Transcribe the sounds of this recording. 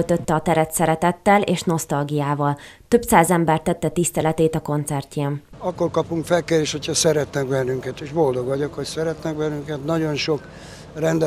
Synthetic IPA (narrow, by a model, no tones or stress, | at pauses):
lt̪øt̪ːɛɒt̪ɛɾɛt̪sɛɾɛt̪ɛt̪ːɛleːʃno̞st̪ɒlɡijaːvɒl | t̪ø̞bsaːzɛmbɛrt̪ɛt̪ːɛt̪ist̪ɛlɛt̪eːt̪ɒko̞nt̪sɛrceːmɒkːo̞rkɒpuŋkfɛlkeːɾeːʃho̞cʰhɒsɛɾɛt̪nɛɡbɛnːyŋkɛt̪eːʒbo̞ld̪o̞ɡʋɒɟo̞kho̞csɛɾɛt̪nɛɡ̚bɛnːyŋkɛt̪nɒɟo̞nʃo̞k | rɛnd̪ɛ